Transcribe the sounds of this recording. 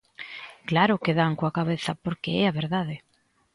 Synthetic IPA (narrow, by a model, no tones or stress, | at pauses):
klaɾʊkeðaŋkoakaβeθɐpoɾkɪɛaβeɾðaðɪ